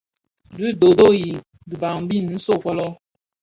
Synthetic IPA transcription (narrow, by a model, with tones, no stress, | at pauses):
di˦do˨do˦˨ji˨ | du˨ba˨ŋ˦bi˦˨n˨n̩˦so˦˨fɔ˦lɔ˦